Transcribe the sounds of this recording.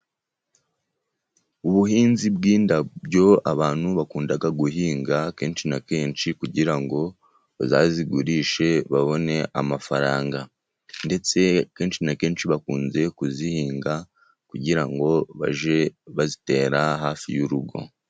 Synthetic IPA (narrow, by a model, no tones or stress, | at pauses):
uβuhiːnzibɡiːndabɟo̞a̰βaːn̥huβakuːndaɡaɡuɦiːŋɡake̞ːnt͡ʃinake̞ːnt͡ʃikuɟiɾaŋɡo̞ | azaziɡuɾiːʃe̞βaβo̞ne̞ʔamafaɾaːŋɡa | nde̞t͡se̞ke̞ːnʃinake̞ːnʃiβakuːnze̞kuzihiːŋɡa | kuɟiɾaŋɡo̞βa̰ʒeβazite̞ːɾaɦaːfḭjuɾuɡo̞̰